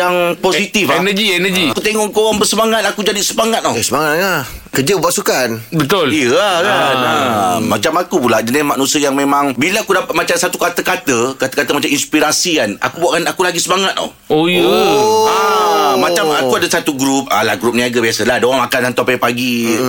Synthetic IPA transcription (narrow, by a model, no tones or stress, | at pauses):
jaŋposit̪ifnəd͡ʒiɛnəd͡ʒiakut̪eŋɔʔkoɣaŋbərsəmaŋat̪̚akud͡ʒadisəmaŋat̪̚ɔsəmaŋatlahkəd͡ʒəəpasukanbət̪ʊlijəahlanamat͡ʃamakupulad͡ʒənɪsmaʔnusəjaŋmẽmãŋbilaakudapat̪̚mat͡ʃamsat̪ukat̪əkat̪əkat̪əkat̪əmat͡ʃaminspiɾasikana̰kubuaʔkanakulaɡisəmaŋat̪̚ɔ̰h | oijəamat͡ʃaakuadasat̪uɡɾup̚a̰la̰hɡɾup̚niaɡabiasəladoaŋakanant̪apapaɡi